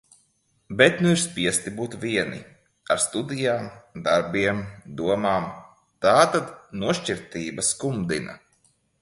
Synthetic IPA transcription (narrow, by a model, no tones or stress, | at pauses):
bɛt̪nuiɾspiɛst̪ibuːt̪vʲiɛnḭ | aɾst̪ud̪ijaːmd̪aɾbiɛmd̪uɔmaːm | t̪aːt̪ad̪nuɔʃt͡ʃiɾt̪iːbaskumd̪ina̰